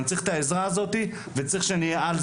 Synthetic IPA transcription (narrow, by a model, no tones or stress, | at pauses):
nt͡sʁiχt̪aezʁaːzo̞t̪i | vet͡sʁiχʃenijeal